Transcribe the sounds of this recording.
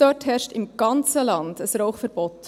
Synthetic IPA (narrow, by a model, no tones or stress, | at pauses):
d̥ɔthɛɾʃtɪmɡ̥ɑnt͡səlɑnd̥əsɾoʊxfəɾb̥ɔt